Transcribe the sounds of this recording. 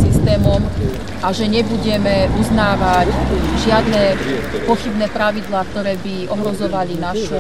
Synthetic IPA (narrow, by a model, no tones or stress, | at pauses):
sist̪ɛːmɔm | ʔaʒɛɲɛbuɟɛmɛʔuznaːʋacʒɪad̪nɛpɔxibnɛːpɾaʋid̪laːk̚t̪ɔɾɛːbiɔɦɾɔzɔʋalinaʃɛ